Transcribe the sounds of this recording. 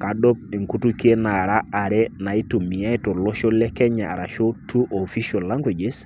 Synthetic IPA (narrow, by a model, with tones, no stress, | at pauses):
ka˨dɔ˦p̚i˨ŋku˦tu˦ke˦na˨ɾa˦a˨ɾɛ˦na˨i˦tu˨mi˨ja˦i˦to˨lo˦ʃo˦lɛ˦kɛ˦ɲa˨a̰˨ɾa˨ʃo˦tʰu˦ʔo˨fi˦ʃo˨lːa˦ŋɡwi˨d͡ʒe˨s